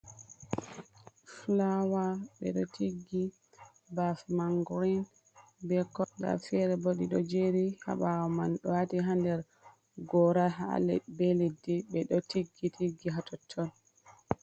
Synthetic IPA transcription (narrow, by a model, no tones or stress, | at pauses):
flawaɓɛ̰ɗɔ̰tʰiɡːi | bafmaŋɡɾin | bɛkːɔda̰fɛɾɛboɗiɗɔd͡ʒeɾiha̰ɓawamanɗɔwatiɦandɛɾ | ɡɔɾaɦa̰lɛ̰belidiɓɛɗɔtʰiɡːitʰiɡːiɦatɔtʰːɔn